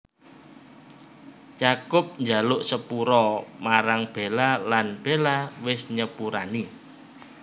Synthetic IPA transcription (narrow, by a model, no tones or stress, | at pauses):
t͡ʃakʊp̚ɲd͡ʒa̤lʊʔsəpuɾɔmaɾaŋb̥e̤lalanb̥elawɪsɲəpuɾani